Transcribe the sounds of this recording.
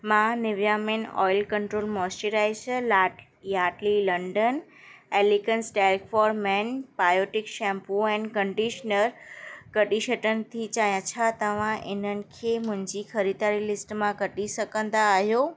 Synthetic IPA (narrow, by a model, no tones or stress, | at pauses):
mãnɪʋjamenɔ̰jlkəɳʈɾolmɔsʈiɾajsəlaʈ | jaʈliləɳɖən | ɛlikənsʈɛlkfɔɾmɛnpajoʈikʃɛ̃mpuɛ̃ɳkəɳɖiʃnəɾkəʈiʃəʈənt̪ʰit͡ɕãjãt͡ʃʰat̪əʋãʔenənkʰemʊ̃ɲd͡ʒikʰəɾid̪aɾilɪsʈmãɡəʈiʃəkə̃nd̪aːɦjo